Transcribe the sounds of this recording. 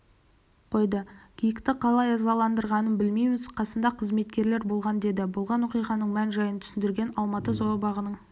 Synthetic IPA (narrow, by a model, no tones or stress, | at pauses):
qʰo̞jd̪əkʲʰijɪkt̪ɪqʰɑlˠɑjɑzɑlˠɑnd̪əɾʁɑnənbɪlmejmɪzqʰɑsənd̪ɑqʰəzme̞t̪kʲe̞ɾle̞ɾbo̞lˠʁɑnd̪e̞d̪ɪbolˠʁɑnwo̞qijʁɑnəɴmænʒɑjənt̪ʰʏ̥sɪnd̪ɪɾɡʲenɑlˠmɑt̪əzoɾɑbɑʁənəɴ